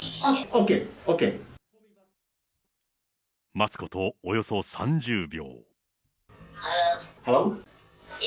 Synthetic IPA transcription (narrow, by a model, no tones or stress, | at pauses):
aokeoːke | mat͡sɨ̥ko̞t̪o̞ːjo̞so̞sã̰ɲ̟d͡ʑɨːbʲjo̞̰ː | haɾo